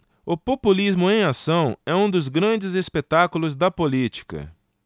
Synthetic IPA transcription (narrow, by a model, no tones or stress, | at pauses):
ʊpopulizmʊẽj̃asɐ̃w̃ɛũd̪ʊzɡɾɐ̃d͡ʒɪzespet̪akulʊzd̪ɐpolit͡ʃi̥kɐ̰